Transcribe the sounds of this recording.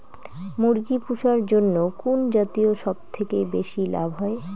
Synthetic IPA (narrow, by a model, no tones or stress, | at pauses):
muɾɡipuʃaɾd͡ʑonːokund͡ʑat̪ioʃɔb̚t̪ʰekebeʃila̰bʱɦɔe